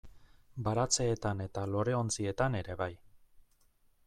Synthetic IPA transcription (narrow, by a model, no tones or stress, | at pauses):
baɾat͡se̞ːt̪ane̞t̪alo̞ɾe̞o̞nt͡sie̞t̪ane̞ɾe̞βaj